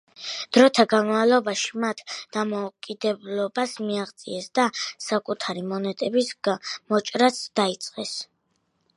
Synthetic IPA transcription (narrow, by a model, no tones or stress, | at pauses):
d̪̥ɾɔt̪ʰaɡanmavlˠɔbaʃimat̪ʰd̪̥amɔukʼid̪ɛblɔbasmiaʁt̪sʼḭɛsd̪asakʼut̪ʰaɾimɔnɛt̪ʼɛbisɡamɔt͡ʃʼɾat̪sd̪̥ait̪sʼqʼɛs